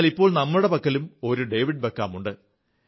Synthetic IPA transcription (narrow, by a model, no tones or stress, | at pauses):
lipːoːɭnɐmːɐuɽepɐkːɐlumo̞ɾuɖejʋiɖ̚bekːaːmuɳɖɨ